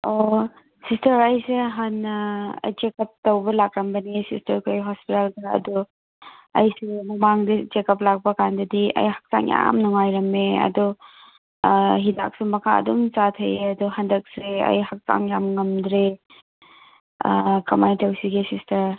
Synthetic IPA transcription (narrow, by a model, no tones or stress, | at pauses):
o | sistɐɾɐjseɦɐnɐ̰jt͡ʃekɐp̚tɐwbɐlak̚ɾɐmbɐnisistɐɾkʰjɦɔspitaldɐɐ̰dɔ | ɐ̰jsumɐmaŋdit͡ʃekɐp̚lak̚pɐkandɐdiɐ̰jhak̚sa̰ŋja̰mnɔŋajɾɐmeɐ̰dɔ | ɦida̰k̚sumɐkʰaɐ̰dumt͡ʃatʰɐjɐdɔɦɐndɐk̚seɐ̰jhak̚sa̰ŋjamŋɐmdɾe | kʰɐmajtɐwsiɡisistɐɾ